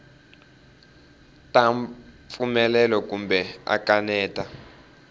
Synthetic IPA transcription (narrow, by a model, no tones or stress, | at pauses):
tʼaɱ | fumɛlɛlɔk̬ʼumbɛa̰kʼanɛːtʼa